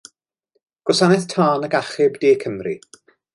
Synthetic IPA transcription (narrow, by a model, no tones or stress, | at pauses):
ɡ̥ɔsanɛθtʰaːnəɡaχɪbdiːkʰəmrḭ